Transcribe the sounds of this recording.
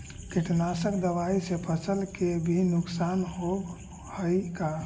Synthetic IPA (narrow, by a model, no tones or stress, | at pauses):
kiʈnasəkd̪əʋaisẽpət͡ʃəlkebʱinuksanɦoɡ | həjka